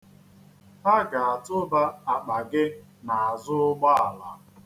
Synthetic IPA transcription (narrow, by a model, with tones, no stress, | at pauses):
pa˦ɡa˨a˨tʊ˦ba˦a˨k͡pa˨ɡɪ˦na˨a˨zʊ˦ɡ͡ba˦a˨la˨˦